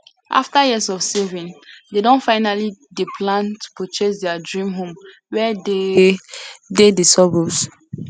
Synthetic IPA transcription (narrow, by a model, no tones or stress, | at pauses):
ʔa̰ftajɛsɔfsɛvĩndedɔ̃nfaɪnalidipʰlãntu̥pot͡ʃesdɛadɹĩmɦõm | wɛde | dedesɔbos